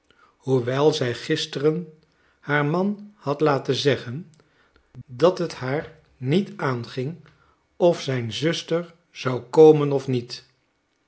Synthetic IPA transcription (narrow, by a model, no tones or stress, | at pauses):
huʋɛlˠzɛjχɪstərən | haːɹmɑnhɑtlaːtəzɛχən | dɑtɦəthaːɹ | nitaːnχɪŋ | ɔfsɛjnzɵstəɹ | z̥ɑwkoːmənɔfnit